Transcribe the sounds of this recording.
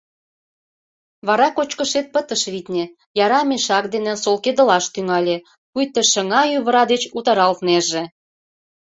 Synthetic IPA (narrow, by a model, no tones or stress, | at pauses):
βɑɾɑkot͡ɕkə̆ʃet̪̚pət̪əʃβit̪nʲe | jɑɾɑmeʃɑk̚d̪enĕsolked̪ə̆lɑʃt̪yŋɑlʲe | kujt̪ːeʃə̆ŋɑjyβə̆ɾɑd̪et͡ɕut̪ɑɾɑlt̪neʒe